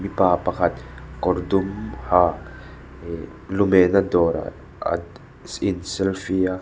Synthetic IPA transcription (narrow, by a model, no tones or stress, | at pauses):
mipapakat̪koɾd̪umha | e | lumenad̪oɾa̰ | a̰ | sinsɛlfia